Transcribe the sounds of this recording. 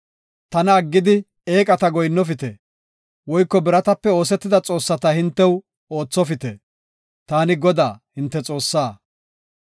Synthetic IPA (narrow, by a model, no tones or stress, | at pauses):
t̪ɐnɐːɡːɪd̪ɪ | eːkʼɐt̪ɐɡɔjnːɔf̬ɪt̪ɛ | wɔjkːɔbɪɾɐt̪ɐpːɛo̞ːs̬ɛt̪ːɪd̪ɐt͡sʼo̞ːsːɐt̪ɐhɪnt̪ːɛw | o̞ːt͡sːɔfɪt̪ɛ | t̪aːnɪɡɔd̪aːhɪnt̪ːɛt͡sʼo̞ːsːaː